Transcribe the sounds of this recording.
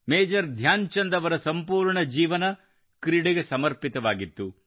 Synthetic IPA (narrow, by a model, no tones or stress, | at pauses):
meːd͡ʒɐɾd̪ʱjaːɲt͡ʃɐnd̪ɐʋɐɾɐsɐmpuːɾɳɐd͡ʒiːʋɐnɐ | kɾiɽeɡesɐmɐɾpit̪ɐʋaːɡit̪ːu